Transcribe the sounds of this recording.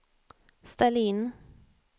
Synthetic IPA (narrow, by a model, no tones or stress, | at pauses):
st̪ɛliːn